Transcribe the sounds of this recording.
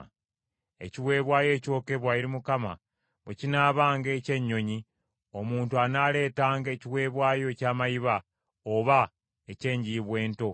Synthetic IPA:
e̞̰ciwe̞ːβwaːje̞ːco̞ːke̞βwajiɾimukama̰ | βwecinaːβaːŋɡece̞ɲːo̞ɲi | o̞muːntuanaːle̞ːtaːŋɡeːciwe̞ːβwaːjo̞ecaːmajiβa | oβa | ece̞ːɲɟiβwe̞ːnto̞

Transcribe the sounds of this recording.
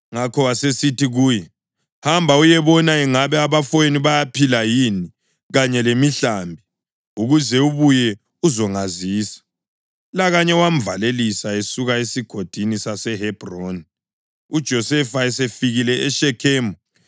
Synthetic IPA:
ŋakʰɔwasesitiɣuːjɛ | hambʱaujɛβɔnaɛŋaβɛaβafoeniβajapʰilajini | ɣaɲɛlemiɬambʱi | uɣuzɛuβujɛ | uzɔŋaziːsḁ | laɣaɲɛwam̩valelisaesuɣaesiɡ̥ʱod̥ʱinisasɛɦɛb̥ron | ud̥ʒ̥ʱɔsɛfaɛsefiɣilɛɛʃɛkʰɛːmɔ

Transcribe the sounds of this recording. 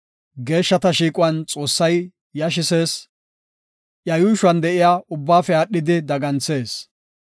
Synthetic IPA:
ɡe̞ːʃːɐt̪ɐʃiːkʼʊɐnt͡sʼo̞ːsːɐj | jɐʃ̬ɪse̞ːs | ʔjɐjuːʃʊɐnd̪ɛʔɪjaːʔʊbːaːfɛaːɗːɪd̪ɪd̪ɐɡɐnt͡se̞ːs

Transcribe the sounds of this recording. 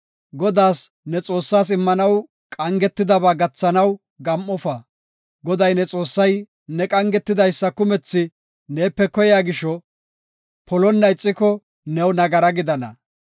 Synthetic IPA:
ɡɔd̪aːs | nɛt͡sʼo̞ːsːaːsɪmːɐnɐw | kʼɐŋɡɛt̪ːɪd̪ɐβaːɡɐt͡sːɐnɐw | ɡɐmʔːɔfɐ | ɡɔd̪ɐjnɛt͡sʼo̞ːsːɐj | nɛkʼɐŋɡɛt̪ːɪd̪ɐjsːɐkʊmɛt͡sːɪ | ne̞ːpːɛkɔjjaːɡɪʃɔ | pʰɔlɔnːɐɪt͡sʼːɪkɔ | nɛwnɐɡɐɾɐɡɪd̪ɐnɐ̰

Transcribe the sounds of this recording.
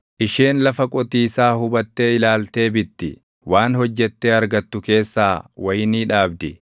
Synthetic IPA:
ʔɪʃeːnlɐfɐkʼɔt̪iːsaːhʊbɐt̪ːe̞ːɪlaːlt̪e̞ːbɪt̪ːɪ̰ | waːnhɔd͡ʒːɛt̪ːeːɐɾɡɐt̪ːʊke̞ːsːaːwɐjniːᶑaːbd̪ɪ

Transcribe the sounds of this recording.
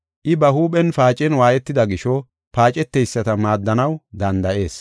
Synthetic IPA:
ʔɪbɐhuːpʼɛnfaːt͡ʃʼɛnwaːjɛt̪ːɪd̪ɐɡɪʃɔ | paːt͡ʃʼɛt̪ːɛjsːɐt̪ɐmaːd̪ːɐnɐwd̪ɐnd̪ɐʔe̞ːs

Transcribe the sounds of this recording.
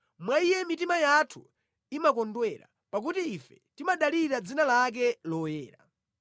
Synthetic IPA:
mwaijɛmitimajatʰu | imakɔndwɛɾa̰ | pak̬utiːfɛtimaɗaliɾad͡zinalak̬ɛlɔjɛːɾa

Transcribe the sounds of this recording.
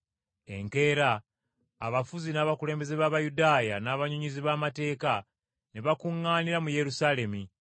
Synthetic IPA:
e̞̰ŋke̞ːɾaː | βafuzinaːβakule̞ːmbe̞zeβaːβajudaːjanaːβaɲuɲiziβaːmate̞ːka | neβakuŋːaːniɾamuje̞ɾusaːle̞mi

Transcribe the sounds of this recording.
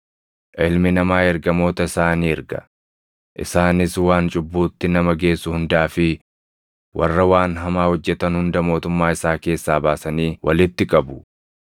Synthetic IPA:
ʔɪlmɪnɐmaːɛɾɡɐmo̞ːt̪ɐɪsaːniːɪɾɡɐ̰ | ʔɪ̰saːnɪswaːnt͡ʃʼʊbːuːt̪ːɪnɐmɐɡe̞ːsːʊhʊnd̪aːfɪ | wʔɐ̰rːɐwaːnɦɐmaːhɔd͡ʒːɛt̪ɐnhʊnd̪ɐmo̞ːt̪ʊmːaːɪsaːke̞ːsːaːbaːsɐniːwʔɐ̰lɪt̪ːɪkʼɐbʊ

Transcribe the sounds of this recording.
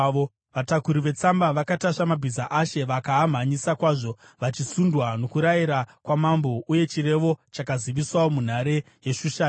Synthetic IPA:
o | ʋatakuɾiʋe̞t͡sambaʋakataʂamabʱizaʔaʃe̞ʋakaːm̤ʱaɲisakwaːʐo̞ | ʋat͡ʃisundwano̞kuɾajiɾakwamambo̞ʔuje̞t͡ʃire̞ʋo̞t͡ʃakaziʋiswawomun̤aɾe̞ | je̞ʂuʃaː

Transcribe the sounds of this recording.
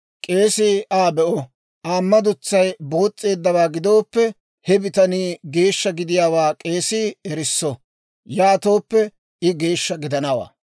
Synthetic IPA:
kʼe̞ːsiʔaːbɛʔɔ | ʔaːmːɐd̪ʊt͡sːɐjboːt͡sʼːe̞ːd̪ːɐbaːɡɪd̪o̞ːpːɛ | hɛbɪt̪ɐniːɡe̞ːʃːɐɡɪd̪ɪjaːwaːkʼe̞ːsiːɛɾɪsːɔ | jaːt̪o̞ːpːɛ | ɪɡe̞ːʃːɐɡɪd̪ɐnɐwa̰ː

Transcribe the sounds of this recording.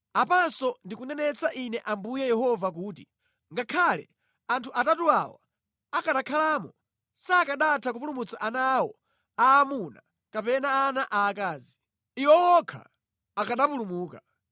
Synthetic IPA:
apansɔndikunɛnɛt͡saʔinɛʔambujɛjɛɦɔvak̬uːt̬i | ŋɡakʰalɛ̰ | antʰuʔatatuawa̰ | akaɗakʰalaːmɔ | saːkaɗatʰak̬upulumut͡saʔanawɔ̰ | aːmuna | kapɛnaːnaʔaːkaːzi | iwɔwɔkʰa̰ | akaɗapulumuːka

